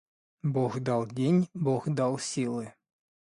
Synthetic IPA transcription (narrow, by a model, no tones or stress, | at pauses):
bɔɣd̪ɑlˠdʲenʲbɔɣd̪ɑlˠsʲilˠɨ